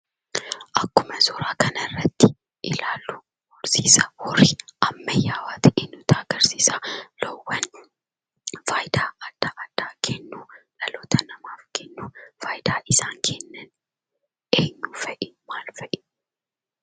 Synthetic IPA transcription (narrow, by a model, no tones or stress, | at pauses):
ʔɐkːʊmɐzɔɾaːkɐnɐrːɐt̪ːɪ̥ | ʔɪlaːlːu | ɡʊɾsiːsɐwɔriʔɐmːɐjːaːwaːt̪ɪʔeːɲːʊt̪aːɡ̥ɐɾsiːsalɔwːɐn | faːjd̪aːɐd̪̥ːaʔɐd̪̥ːaːkʰɛnːuᶑɐloːt̪ɐnɐmaːfkɛnːufaːjd̪aːʔɪsaːŋkʰeːnːɐn | ʔeːɲːufɐʔɪnmaːlfɐʔɪn